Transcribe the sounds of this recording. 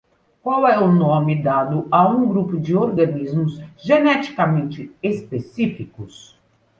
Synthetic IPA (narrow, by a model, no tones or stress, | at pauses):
kwawɛʊnõmɪd̪ad̪ʊaũɡɾupʊd͡ʒɪoɾɡɐnizmʊzʒenɛt͡ʃi̥kamẽnt͡ʃɪespesifikʊs